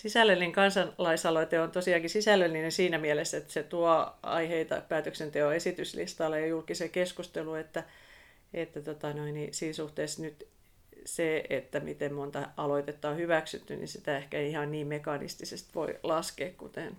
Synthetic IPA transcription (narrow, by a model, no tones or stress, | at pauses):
sisælːelniŋkɑnsɑnlɑisɑloit̪eont̪osiɑːŋkisisælːølninesiːnæmiælesːet̪ːset̪uɑɑ̰iheit̪ɑ̰pæːt̪øksent̪eoesit̪yslḭst̪ɑlːejɑjulkisekeskust̪eluet̪ːæ | et̪ːæt̪ot̪ɑnoinisiːnsuht̪eːˑsnyt̪ | seet̪ːæmḭt̪emmont̪ɑɑloit̪et̪ːɑohyʋæksy̰t̪ːynḭsit̪æehkæeiihɑnniːmmekɑnḭst̪isest̪ʋo̰ilɑskeːkkṵt̪en